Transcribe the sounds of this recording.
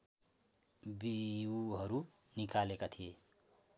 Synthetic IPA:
biuɦʌɾu | nikalekat̪ʰije

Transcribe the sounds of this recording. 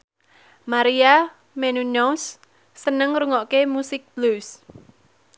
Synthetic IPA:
maɾia | mɛnunɔsː | ənəŋruŋɔʔkemusɪk̚b̥lus

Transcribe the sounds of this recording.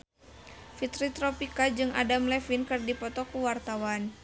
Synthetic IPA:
fit̪ɾit̪ɾɔpikad͡ʒɨŋa̰damlɛfinkɨrdipɔt̪ɔkuwart̪awan

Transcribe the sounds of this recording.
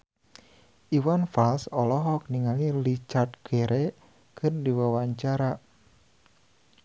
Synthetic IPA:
ʔiwanfalsɔlɔɦɔk̚niŋalilit͡ʃart̪̚kɛɾʔɛ | kɨrdiwawaɲt͡ʃaɾa

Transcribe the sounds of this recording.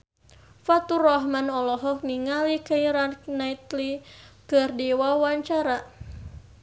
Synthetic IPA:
fat̪urɔɦmanɔlɔɦɔk̚niŋalikaiɾannait̪likɨrdiwawaɲt͡ʃaɾa

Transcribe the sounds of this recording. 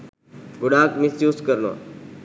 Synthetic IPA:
ɡʊɗaːkmɪsjuːskəɾno̰ː

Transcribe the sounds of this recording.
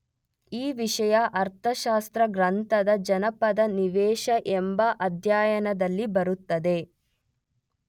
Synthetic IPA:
iːʋiʂɐjɐʔɐɾt̪ʰɐʃaːst̪ɾɐɡɾɐnt̪ɐd̪ɐd͡ʒɐnɐpɐd̪ɐniʋɛːʃɐʔembɐʔɐd̪ʱjaːjɐnɐd̪ɐlːibɐɾut̪ːɐd̪e̞

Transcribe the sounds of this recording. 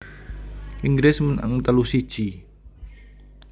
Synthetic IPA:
ʔiŋɡɾesmənʔə̰ŋt̪əlusi̥ʒ̥i

